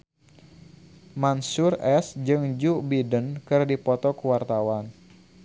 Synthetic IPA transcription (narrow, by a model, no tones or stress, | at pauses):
mansurɛsd͡ʒɨŋd͡ʒubidənkɨrdipɔt̪ɔkəwart̪awan